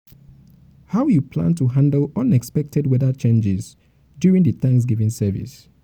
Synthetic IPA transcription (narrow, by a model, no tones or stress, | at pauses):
haʊjupʰlã̰ntuɦãndəlʌ̃nɛkspɛk̚tʰɛdwɛðət͡ʃẽnd͡ʒɪz | djuɹĩŋðəθãŋks̬ɡivĩŋsɛvḭs